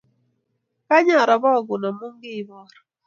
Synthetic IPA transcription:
ka˦ɲa˨ɾa˨bɔ˦˨ɡʊ˨na˨mu˦ŋɡɪ˦˨bɔ˦ɾ

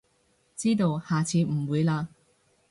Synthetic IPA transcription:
t͡siː˥t̪o˧whaː˨t͡sʰiː˨˥m̩˨˩wuː˨˧jlaː˧

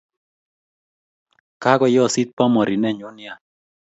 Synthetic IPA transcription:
ka˦ɡɔ˨jɔ˦˨si˦t̪̚pɔ˦mɔ˨ɾɪ˨nɛ˦˨ɲʊ˦nɪ˦a˨

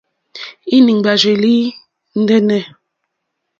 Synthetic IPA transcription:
i˦ni˨ŋba˨d͡ʒe˨li˦ | n̩˦dɛ˦nɛ˦

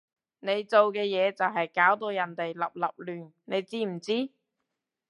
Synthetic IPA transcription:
ne˨˧jt͡so˨wkɛː˧jɛː˨˧t͡sɐ˨wɦɐ˨jkaː˨˥wt̪o˧wjɐ˨˩nt̪e˨jlɐ̰˨p̚lɐ̰˨p̚lyː˨n | ne˨˧jt͡siː˥m̩˨˩t͡siː˥

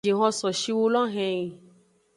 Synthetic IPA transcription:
i˨ɦɔ̃˧sɔ˨ʃi˧wo˧lɔ˦ɦɛ̃˧ĩ˨

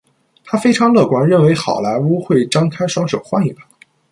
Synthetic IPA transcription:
t̪ʰa˥fe˥ɪʈ͡ʂʰɑ˧˥ŋlɤ˥˩kwa˧˥nɻə˥˩nwe˧˥ɪxɑ̰˨˩ʊla˧˥ɪu˥xwe˥˩ɪʈ͡ʂɑ˥ŋkʰa˥ɪʂwɑ˥ŋʂo˨˩ʊxwa˥˧ni˥˩pa˨˩˦

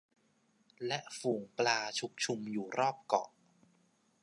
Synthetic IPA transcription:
lɛ˦˥ʔfuː˨˩ŋplaː˧t͡ɕʰu˦˥k̚t͡ɕʰu˧mjuː˨˩ɾɔː˥˩p̚kɔ̰˨˩ʔ

